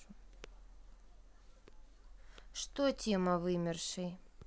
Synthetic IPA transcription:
ʂt̪otʲeməvɨmʲɪrʂɨj

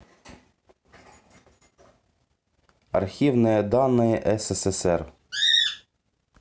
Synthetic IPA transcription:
ɐ̰rxʲiʋnɔjɛd̪ɑnːɪjɛʔɛsɛsɛsɛr

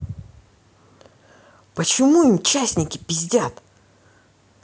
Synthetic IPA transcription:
pət͡ɕɪmuimt͡ɕasʲnʲɪkʲɪpʲɪzʲdʲat̪

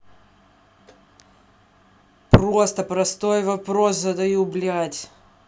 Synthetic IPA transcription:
pɾost̪əpɾɐst̪ojvɐpɾoszɐd̪ɐjublʲatʲ

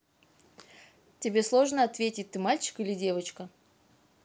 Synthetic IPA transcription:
tʲɪbʲe̞slˠo̞ʐnəɐt̪vʲetʲɪt̚ʲt̪ɨmalʲt͡ɕɪ̥kɨlʲɪdʲe̞vət͡ɕkə

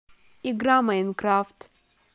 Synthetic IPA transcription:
iɡɾamajnkɾaːft̪

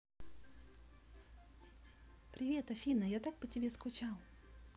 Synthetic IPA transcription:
pɾʲɪvʲe̞t̪ɐfʲinəjat̪ak̚pətʲɪbʲe̞skʊt͡ɕalˠ

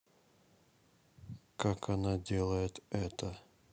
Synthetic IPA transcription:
kakʰanadʲelˠəjɪt̪ɛt̪ə

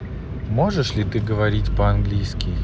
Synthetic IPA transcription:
mo̞ʐɨʂlʲɪt̪ɨɡəvɐɾʲitʲpəɐnɡlʲijskʲɪj

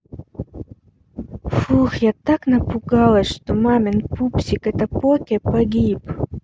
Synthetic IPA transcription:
fuxjat̪aknɐpuɡɑlˠəsʂt̪omamʲenpupsʲikɛt̪ɐpokʲepaɡʲip

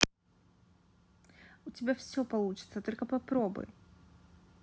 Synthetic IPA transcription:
ʊtʲɪbʲafsʲopɐlˠut͡ɕɪ̥t̪sət̪o̞lʲkəpɐpɾobɨ̰j

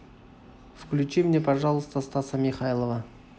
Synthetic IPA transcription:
fklʲʉt͡ʃimnʲepɐʐɑlˠəst̪əst̪asəmʲiχajlˠəvə

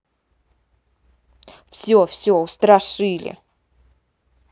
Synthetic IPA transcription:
fsʲɵfsʲoʊst̪ɾɐʂɨlʲɪ̰

